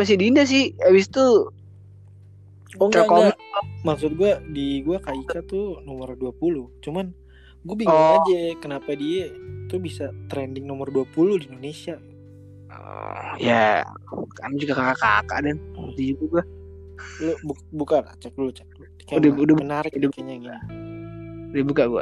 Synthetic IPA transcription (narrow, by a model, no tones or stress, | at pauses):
pas̬idindas̬ɪhabɪst̪u | ɔŋɡakomɛmaksʊt̪̚ɡuadiɡuakait͡ʃat̪unɔmərduapulut͡ʃuman | ɡuabiɔad͡ʒɛkənapadiɛt̪ubisat̪ɾɛndɪŋnɔmərduapuluhdindonesia̰ | ja | ka̰nad͡ʒuɡakakaka̰ka̰ʔdɛnt̪id͡ʒut̪uɡua | lobukbukana̰t͡ʃak̚ulot͡ʃak̚l | ikadudɪaənarkdkaɲaŋ | dibukaʔɡua̰